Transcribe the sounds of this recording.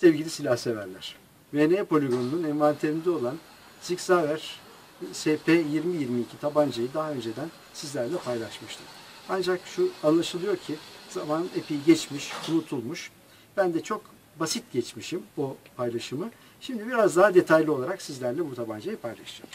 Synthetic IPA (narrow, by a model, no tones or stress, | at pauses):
sevɟilʲisilʲahse̞væɾlʲæ̰ɾ̥ | veneːpo̞lʲeɡo̞nununɛɱvant̪ʰeɾʲind̪ɛo̞lˠan | siksavæɾ̥ | sepʰejiɾmijiɾmiːcʰit̪ʰaband͡ʒajid̪aɦaø̞nd͡ʒe̞d̪æn | sizlʲæɾlʲɛpʰajlˠaʃmɯʃt̪ʰɯ̥ | and͡ʒakʃuanlˠaʃɯlˠɯjo̞ɾcʰiz̥amanepʰijiɟɛt͡ʃmiʃunut̪ʰulˠmuʃ | b̥ænd̪ɛt͡ʃʰo̞k | basit̪̚ɟɛt͡ʃmiʃimbupʰajlˠaʃɯmɯ | ʃimd̪ibiɾazd̪aɦad̪e̞t̪ʰajlʲio̞lˠaɾaksizlʲæɾlʲɛbut̪ʰaband͡ʒajipʰajlˠa̰ʃɯjo̰ɾ